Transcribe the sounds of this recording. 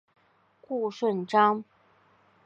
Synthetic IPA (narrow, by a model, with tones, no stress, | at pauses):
ku˥˧ʂwə˥˩nʈ͡ʂɑ˥ŋ